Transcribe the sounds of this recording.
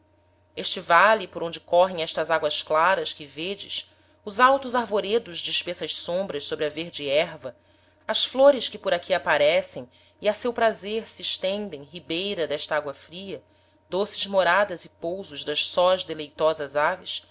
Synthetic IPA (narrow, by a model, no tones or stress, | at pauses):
eʃt͡ʃɪvalipoɾõd͡ʒɪkɔɦẽj̃ɛʃt̪ɐzaɡwɐʃklaɾɐskɪved͡ʒɪ̰ʃ | ʊzawt̪ʊzaɾvoɾed̪ʊʒd͡ʒɪːʃpesɐʃsõmbɾɐʃsobɾɪɐveɾd͡ʒiɛɾvɐ | ɐsfloɾɪskɪpoɾakʰiapaɾɛsẽj̃ | iasewpɾazeɾsiːʃt̪ẽnd̪ẽj̃ɦibejɾɐd̪ɛʃt̪ɐaɡwɐfɾiɐ | d̪̥osɪʒmoɾad̪ɐzɪpowzʊʒd̪ɐʃsɔʒd̪elejt̪ɔzɐzavɪs